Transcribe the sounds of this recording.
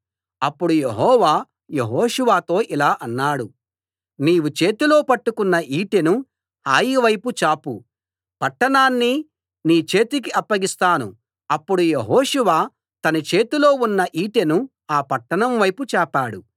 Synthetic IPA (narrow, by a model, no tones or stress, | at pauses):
ɐpːuɽujeɦɔːʋaː | jeɦɔːʂuʋaːt̪o̞ːʔilaːʔɐnːaːɽu | niːʋut͡ʃeːt̪ilo̞ːpɐʈːukunːɐʔiːʈenu | aːjiʋɐjput͡ʃaːpu | pɐʈːɐɳaːnːi | niːt͡ʃe̞ːt̪ik̬iɐpːɐɡist̪aːnṵ | ɐpːuɽujeɦoːʂuʋaː | t̪ɐnɐt͡ʃe̞ːt̪ilo̞ːunːɐʔiːʈenu | aːpɐʈːɐɳɐmʋɐjput͡ʃɛːpaːɽu